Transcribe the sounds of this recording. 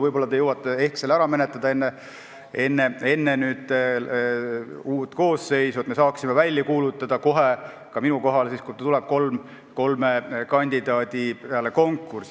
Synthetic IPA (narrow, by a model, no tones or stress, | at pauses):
vɤjb̥o̞lːɑt̪ejowɑt̪ːˑee̞hkselæɾɑmenet̪ːˑɑd̪ɑe̞nːe | e̞nːee̞nːenyːd̪̥ | uːt̪ˑko̞ːsːe̞jsuet̪me̞sɑːksimevælʲːjɑkuːlut̪ˑːɑd̪̥ɑko̞ɦe | kɑminuko̞ɦɑlsiːskut̪t̪ulɛb̥̚ko̞lm | ko̞lmekɑnʲd̪̥id̪̥ɑːd̪̥ʲipeɑle̞ko̞ŋkːˑurs